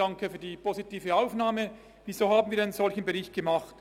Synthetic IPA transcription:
aŋkəfyːɐdiːpʰozitiːfəaʊfnaːmə | viːzoːhaːbn̩viːɐaɪnənz̥ɔlçənbəʁɪçt̚ɡ̥əmɑχt

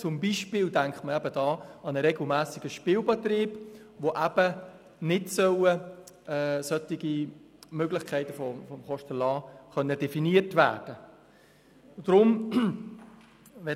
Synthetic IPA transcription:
t͡sʊmbiʃpɪːldæŋkχtməæbədɑːɑnəɾeɡl̩mæːsɪɡ̥əʃpiːwbɛtriːb | ʋoʔæb̥ə | nɪtsœwə | ɛːsœtiɡi | møɡlɪχkʰæɪtəfɔfɔmχɔʃtəlɑːχœnːəd̥ɛfiniətʋæ̰ːd̥ə | d̥ɾʊm | ʋɛ

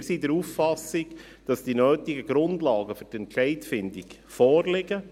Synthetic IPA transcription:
sidəɾufːɑsiɡ | d̥ɑsd̥inøːtiɡəɡ̥ɾʊndlɑːɡəfʏɾtɛnt͡ʃɛɪtfɪndik | fɔːɾlɪɡə

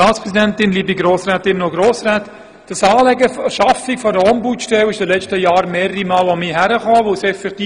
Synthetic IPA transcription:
ɑːtt͡sspʁɛsidɛntɪnliːbiɡɾoːsɾɛːt̪ɪnːoɡɾoːsɾɛːt | d̥əsɑːlɛɡəʃɑfɪkfɔdəɔmbutʃtɛwɪʃd̥ilɛt͡ʃtəjɑːɾmeːɾəɾimɑːlɔmiɦæɾəχɑːʋosɛfɛkt̪iː

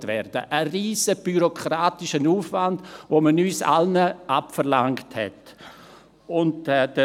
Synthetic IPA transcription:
tvɛɾd̥ə̰ʔəriːzəb̥yɾokʰʁɾaːtɪʃənuːfvandvoːmənyːsa̰lnəʔapfəɾlaŋkthɛ̰t | ʊntɛd̥ə

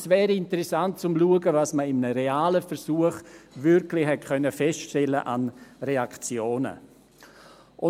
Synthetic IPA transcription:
svɛːɾəɪntəɾɛsant̚t͡sʊmluəɡəvasməɪmnəɾeaːləfɛɾsuəχvʏɾklɪxhɛt̚kʰœnəfɛst͡ʃtɛləʔa̰nreakt͡sjoːnə̰ | ʔʊ

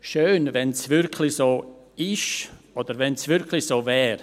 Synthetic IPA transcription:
ʃøːnvɛnsvʏɾkʰlɪsoː | ɪʃ | ɔd̪̥əɾvɛnsvʏɾkʰlɪsoːvɛːɾ

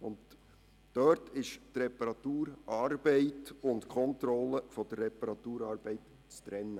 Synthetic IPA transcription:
ʊnd | d̥œɾtʰɪʃtrɛpəɾɑt̪uːɾɑːɾb̥ɛɪtʊntkʰɔntɾɔləfɔd̥ərːɛpəɾɑt̪uːɾɑːɾb̥ɛɪt | t͡st̪ɾɛnːə

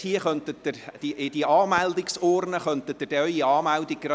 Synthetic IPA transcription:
hiəχœnt̪ət̚d̥̪əɾd̥̪iʔɪdiʔɑːmældɪksɔːrnəχœnt̪ət̚d̥əd̥ɛœʏiɑːmældɪɡɾɑ

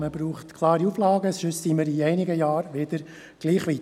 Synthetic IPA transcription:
məbɾuːχtkʰlˠɑːɾiuːflɑːɡəsʃøssiːməɾiɛɪnɪɡəjɑːɾʋɪd̪̥əɾ | ɡ̥liːχʋi

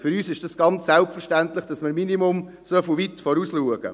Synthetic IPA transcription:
fʏɾyːsɪʃd̥ɑsɡ̥ɑnt͡ssælp̚fəɾʃtænt̪lɪχd̥ɑsmɪɾminimʊm | sœfuʋit̪fɔɾuːsluəɡ̥ə̰

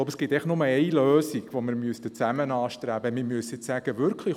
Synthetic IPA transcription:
oʊbəsɡ̥ɪt̪ːɛɪəχtnʊməɛɪløːsiɡ̥ʋomɪɾmyəst̪ət͡sæmənɑːʃtɾæbəmɪmyəsɪt͡ssæɡ̥əʋʏɾkʰlə

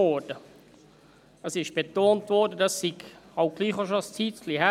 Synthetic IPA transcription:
ɔd̥ə | əsɪʃb̥etoːntvɔɾdədɑssiɡɑʊɡ̥liːχoʃost͡siːtlihæ

